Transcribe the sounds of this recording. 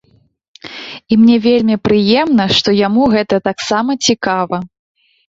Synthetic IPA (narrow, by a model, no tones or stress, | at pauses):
imnʲɛvʲelʲmʲipɾɨjɛmnɐʂt̪ɔjamuɣɛt̪ɐt̪aksamɐt͡sʲikavɐ